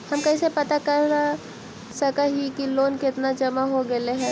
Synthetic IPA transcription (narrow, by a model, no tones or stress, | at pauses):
hɐmkɐisepɐt̪akɐɾa | sɐkaɦikiloːnkɪt̪nad͡ʒɐmaɦoɡɐeɦɛ̃ː